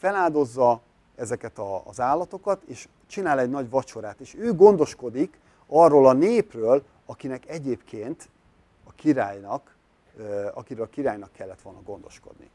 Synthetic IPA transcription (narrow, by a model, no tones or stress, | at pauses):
fɛlaːld̪o̞zːɒ | ɛzɛkɛt̪ɒ̰ːzaːlːɒt̪o̞kɒt̪eːʃ | t͡ʃinaːlɛɟnɒɟʋɒt͡ʃo̞ɾaːt̪eːʃøːɡo̞nd̪o̞ʃko̞d̪ik | ɒrːoːlɒneːprøːl | ɒkinɛkɛɟeːpkʰeːnt̪ | ɒkiɾaːjnɒk | ɒkiɾølɒkiɾaːjnɒkːɛlːɛt̪ʋolnɒɡo̞nd̪o̞̰ʃko̞̰d̪nḭ